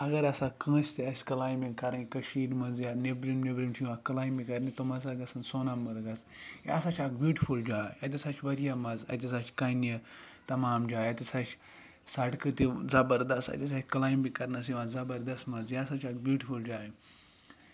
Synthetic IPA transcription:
ɐɡɐɾɐsakɐ̃ːsʲt̪iɐsʲkɐlaːjmiŋkɐɾɐnkʲkɐʃiːɾmɐnzjaːnebɾimnebɾimt͡ʃʰiʋãːkɐlaːjmbikɐɾnit̪omɐsaɡɐsɐnsoːnɐmbɐɾɡɐs | ja̰ːsat͡ʃʰakbjuːʈifuld͡ʒaːjɐt̪̬ʲisat͡ʃʰʋɐɾjamɐzɐ̰t̪ʲis̬at͡ʃʰkɐnjɐt̪ɐmaːmd͡ʒaːjɐt̪ʲisɐt͡ʃʰ | sɐʈkɨt̪izɐbɐɾd̪ɐst̪ɐ̰t̪ʲisat͡ʃʲkɐlaːjmbikɐɾnɐsiʋãzɐbɐɾd̪ɐst̪mɐnzjasat͡ʃʰaːk̚bjuːʈifuld͡ʒaːi

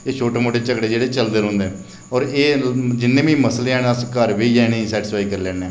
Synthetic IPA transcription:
eːʃʰoːʈeːmoːʈeːt͡ʃəkɽeːd͡ʒeːɽeːt͡ʃəld̪əɾɦõːnd̪eɛː | ɔːɾeːd͡ʒɪnːẽːbĩːməsleːɛːnaskəɾʋiːɛnẽːiːsɛːʈɪspʰaːiːkəɾlɛ̃ːnẽː

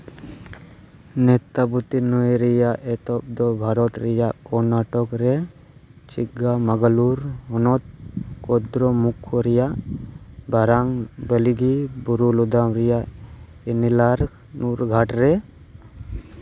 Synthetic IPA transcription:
nɛt̪abut̪inujɾɛjaʔɛt̪ɔp̚d̪ɔbʱaɾɔt̪ɾɛjaʔkɔɾnaʈɔkɾɛ | t͡ʃiɡamaɡaluɾɦɔnɔt̪̚kɔd̪ɾɔmukʰɔɾɛjaʔ | baɾaŋbəliɡibuɾulud̪amɾɛjaʔ | ɛnilaɾ | nuɾɡʱaʈɾɛ

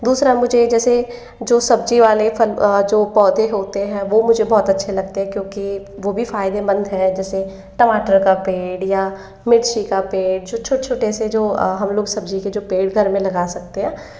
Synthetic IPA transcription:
d̪uːsɾamʊd͡ʒʱed͡ʒɛːse | d͡ʒoːsɐb̚d͡ʒiʋaːlefɐld͡ʒoːpɔːd̪eɦoːt̪eɦɛ̃ːʋomʊd͡ʒʱebɔːt̪ɐtːʃʰelɐɡ̚t̪eɦɛ̃kjõːkiʋoːbʱifaːɪd̪ebɐ̃nd̪ɦɛd͡ʒɛːse | ʈəmaːʈəɾkapeːɽja | mɪʈʃikapeːɖ̚d͡ʒoːt͡ʃʰoːt͡ʃʰoːʈesed͡ʒoːɦɐmloːɡsɐb̚d͡ʒiked͡ʒoːpeːɖɡʱɐɾmẽlɐɡaːsɐk̚t̪eɦɛ̃ː

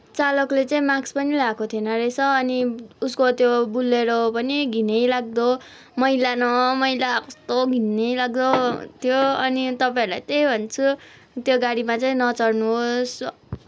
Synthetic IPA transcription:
t͡salʌklet͡saĩmakspʌnilakot̪ʰjenʌresʰʌʌniuskot̪jobulːeɾopʌniɡʱinejlaɡ̚d̪o | mʌjlanʌmʌijlakost̪oɡʱinejlaɡ̚d̪ot̪ʰjoʌnit̪ʌpãĩɾula̰jt̪ejbʱʌnt͡sʰu | t̪joɡaɽimat͡saĩnʌt͡sʌɽnuɦos

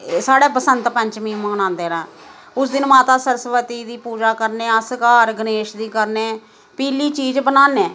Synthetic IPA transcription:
saːɽɛːpəsənt̪pəɲt͡ʃmĩːmə̃ːnãːnd̪eːɾãː | ʊsd̪ɪnmaːt̪aːsəɾsʋət̪iːd̪iːpuːd͡ʒaːkəɾneːəskaːɾɡəneːʃd̪iːkəɾnẽː | piːliːt͡ʃiːzbənaːneː

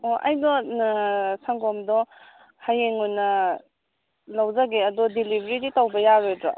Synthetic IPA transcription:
ɔʔɐ̰jnɔ | saŋɡɔmdɔ | hajeŋujnɐ | lɐwzaɡeɐdɔdilibʱɾiɾitawbɐjaɾedɾɔ̰

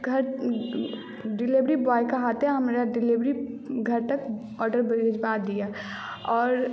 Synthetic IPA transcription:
ɡʱɐɾ | ɖɪlɪʋɾibaːjkaɦaːt̪aɦɐmɾaɖɪliʋɾiɡʱɐɾt̪ɐk | ɔːɾɖəɾbɐɾid͡ʒbaːd̪ija | ɔːɾ

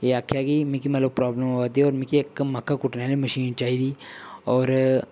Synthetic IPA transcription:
eakʰːjakimĩkiməloɡ̚pɾɔːbləmʋat̪ːiɔːɾmĩkiekməkːakuʈnjaliməʃiːnt͡ʃaːɦid̪iɔːɾ

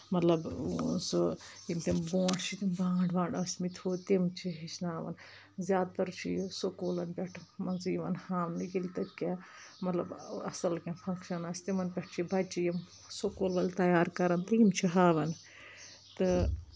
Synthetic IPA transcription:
mɐt̪lɐbunsoimt̪imbõːʈʰt͡ʃʰit̪imbãːɳɖʋãːɳɖɐsʲmit̪ʰoːt̪imt͡ʃʰiɦit͡ʃʰnaːʋɐ̰n | zʲjaːd̪t̪ɐɾt͡ʃʰijsokoːlɐnpʲeʈʰmɐnzjiʋɐnhaːmniɡilit̪ɐkã | mɐt̪lɐbɐ̰sɐlkãːpʰɐ̃ŋkʃɐnaːsʲt̪imɐnpʲɐʈʰt͡ʃʰibɐt͡ʃʰijim | sokoːlʋɐlʲt̪ɐjaːɾkɐɾɐnt̪ɐimt͡ʃʰiɦaːʋɐn | t̪ɨ

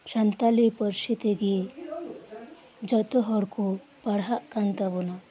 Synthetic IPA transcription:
ʃant̪alipɔɾʃit̪eɡi | d͡ʒɔt̪ɔɦɔɽku | paɽɦaʔkant̪abɔna

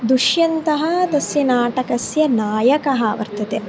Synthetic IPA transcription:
d̪uʃjɐnt̪ɐɦɐd̪ɐsjɐnaːʈɐkɐsjɐnaːjɐkɐɦɐʋɐ̰ɾt̪ɐt̪e

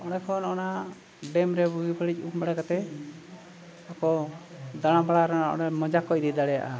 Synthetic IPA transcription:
ɔnɛkʰɔnɔna | ɖɛmɾɛbuɡibʰəɽic̚ˀuk̚baɽakat̪ɛ | akɔd̪aɽ̃abaɽaɾɔnaʔɔ̰namɔd͡ʒakɔc̚ɾid̪aɽɛja̰ʔa

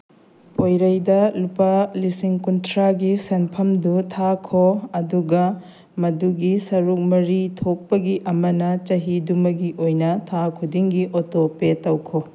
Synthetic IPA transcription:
pojɾɐjdɐlupalisiŋkuntʰɾaɡisenpʰɐmdutʰakʰoɐduɡɐ | mɐduɡisɐɾuk̚mɐɾitʰok̚pɐɡiʔɐmɐnɐt͡ʃɐɦidumɐɡiʔojnɐtʰakʰudiŋɡiʔotopetɐwkʰo

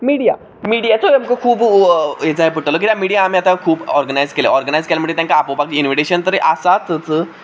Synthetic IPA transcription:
miɽija | miɽijat͡soemkokʰuːbjet͡saɦep̬əʈlok̬it̪jamiɽijaːmiat̪akʰuːbɔ̰ɾɡənajd͡zkeleʔɔɾɡənajd͡zkelaməɽet̪jãŋkaːpobaɡ̚t͡ɕinʋiʈeɕənt̪əɾeʔasat̪ət͡sə

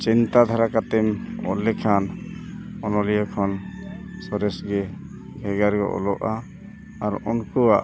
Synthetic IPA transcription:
t͡ʃint̪ad̪ʱaɾakat̪ɛmɔ̰lɛkʰan | ɔnɔlijakʰɔnsɔɾɛsɡɛ | ɡʱɛɡaɾɡɔ̰ʔɔ̰lɔʔaː | ɾɔnkuwaʔ

